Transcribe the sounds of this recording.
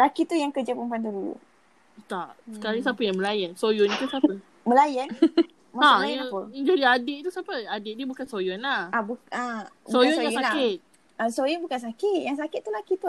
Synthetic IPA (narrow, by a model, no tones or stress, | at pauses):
lakit̪ujaŋkəd͡ʒapəmpuand̪uɾu | t̪aʔsəkaɾisapəjaŋməlajansojʊnit̪usaə | məlajan | maalajaapəŋd͡ʒadiadɪʔt̪usapəadɪʔdiəbukansojʊnlahabuabsojʊnjajsalkɪt̪̚ | asojʊnbukans̬akɪt̪̚jaŋs̬akɪt̪̚ːulakit̪u